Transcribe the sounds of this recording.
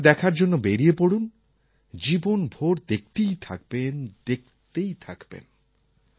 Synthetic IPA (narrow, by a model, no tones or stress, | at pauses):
d̪ɛkʰaɾd͡ʑonːobeɾiepoɽun | d͡ʑibonbʱoɾd̪ek̚t̪ejt̪ʰa̰k̚bend̪ek̚t̪ejt̪ʰakbḛn